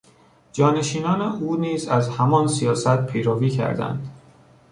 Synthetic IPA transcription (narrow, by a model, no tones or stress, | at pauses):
d͡ʒɒːne̞ʃiːnɒːneʔuːniːzæzhæmɒnsijɒːsæt̪̚pʰejɾɒːviːcʰæ̰ɾd̪æ̰nd̪̥